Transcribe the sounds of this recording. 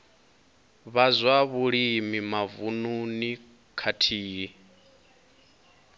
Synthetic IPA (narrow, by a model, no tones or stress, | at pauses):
βazwaβuɺimimavununi | kʰatʰiːi